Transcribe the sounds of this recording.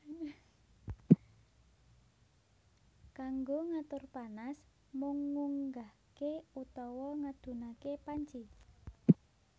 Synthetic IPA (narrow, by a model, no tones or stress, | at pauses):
kaŋɡoŋat̪ʊrpanas | mʊŋːuŋɡa | keut̪ɔwɔŋad̪̥ṳnakepaɲt͡ʃi